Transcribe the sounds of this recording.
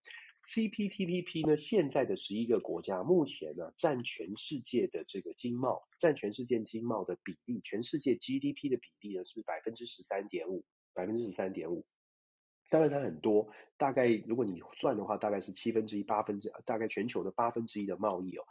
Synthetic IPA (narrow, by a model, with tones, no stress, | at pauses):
si˥pʰi˥pʰi˥pʰi˥pʰi˥nə˨ɕjɛ˥˧nt͡sa˥˩ɪd̪ə˩ʂɻ̩˧˥i˦˥ɡə˨kwɔ̰˧˥t͡ɕja˥mu˥˩t͡ɕʰjɛ˧˥nɐ˧ʈ͡ʂa˥˩nt͡ɕʰɥɛ˧˥nʂɻ̩˥˧t͡ɕjɛ˥˩d̪ə˩ʈ͡ʂɤ˥˩ɡə˩t͡ɕi˥ŋmɑ˥˩ʊʈ͡ʂa˥˩nt͡ɕʰɥɛ˧˥nʂɻ̩˥˧t͡ɕjɛ˥˩n˩t͡ɕi˥ŋmɑ˥˩ʊd̪ə˩pi˨˩li˥˩t͡ɕʰɥɛ˧˥nʂɻ̩˥˧t͡ɕjɛ˥˩t͡ɕi˥t̪i˥pʰi˥d̪ə˨pi˨˩li˥˩nə˩ʂɻ̩˥˩pa˨˩ɪfə˦nʈ͡ʂɻ̩˥ʂɻ̩˧˥sa˥nt̪jɛ˧˥nu˨˩˦ | pa˨˩fə˦nʈ͡ʂɻ̩˥ʂɻ̩˧˥sa˥nt̪jɛ˧˥nu˨˩˦ | t̪ɑ˥ŋɻa˧nt̪ʰa˥xə˨˩nt̪wɔ˥t̪a˥˧ka˥˩ɪɻu˧˥kwɔ˧˥ni˨˩swa˥˩nd̪ə˩xwa˥˧t̪a˥˧ka˥˧ɪʂɻ̩˥˩t͡ɕʰi˥fə˥nʈ͡ʂɻ̩˥i˥pa˥fə˥n˥˧˩t̪a˥˧ka˥˩ɪt͡ɕʰɥɛ˧˥nt͡ɕʰjo˧˥ʊd̪ə˨˩pa˥fə˥nʈ͡ʂɻ̩˥i˥d̪ə˨mɑ˥˧ʊi˥˩ɔ̰˩˦